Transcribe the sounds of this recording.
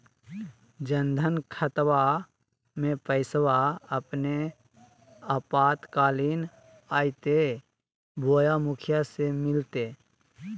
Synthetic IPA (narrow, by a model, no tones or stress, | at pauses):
d͡ʒə̃nd̪ʱənkʰət̪wa | mẽpəɪswaəpne | əpaːt̪kaːliːn | aːit̪e | bʱoːjamʊkʰɪjasemɪlt̪e